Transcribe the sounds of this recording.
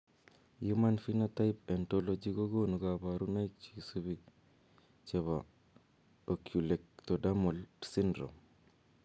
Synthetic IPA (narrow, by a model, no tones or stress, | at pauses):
jumanfinataip̚entolod͡ʒiɡoɡonuɡabaɾunajt͡ʃisubi | t͡ʃeβa | okjulek̚todamulsindɾo̰m